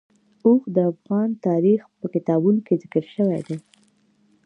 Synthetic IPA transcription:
oxd̪əafɣɑnt̪ɑɾixpəkɪt̪ɑbunokezɪkəɾʃəwa̰jd̪ɛj

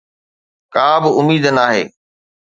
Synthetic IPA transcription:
kaːbɪʊmiːd̪ənaːɦḛː

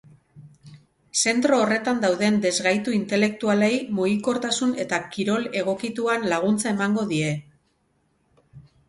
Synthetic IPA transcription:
se̞nt̪ɾo̞ːre̞t̪and̪awðe̞nd̪e̞zɣajt̪uint̪e̞le̞k̚t̪ualejmuɣiko̞ɾt̪asune̞t̪akiɾo̞le̞ɣ̞o̞kit̪uanlaɣ̞unt͡sae̞maŋɡo̞ðie̞

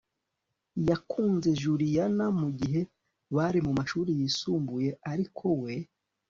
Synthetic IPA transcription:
jakʰuːnze̞ʒuɾijanamuɟiɦe̞ | βaɾimumaʃuːɾijiːsuːmbuje̞aɾikʰo̞we̞

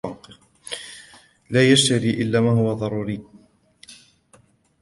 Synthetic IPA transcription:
ɑq | laːjaʃt̪aɾiːʔɪlːaːmaːɦʊwaðˤɑɾˤuːɾɪː

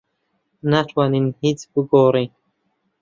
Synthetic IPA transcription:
natʰwaninhit͡sbɨɡoːɾe

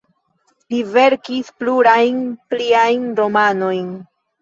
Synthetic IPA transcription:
live̞ɾkispluɾajnpliajndo̞mano̞jn

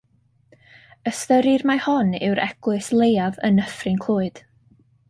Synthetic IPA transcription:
əstəɾɪrmahɔnɪ̰wɾʔɛ̰ɡ̥lˠɨslˠejavə̰nəfrɪnkʰl̥ˠoːɨd̥

